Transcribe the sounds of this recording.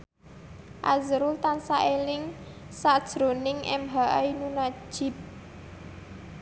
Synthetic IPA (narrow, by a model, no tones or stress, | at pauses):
ʔazɾʊlt̪ansaʔelɪŋ | sad̥ʒ̥ɾo̤nɪŋʔɛ̰mɦaʔainunḁʒ̥ɪ̤p̚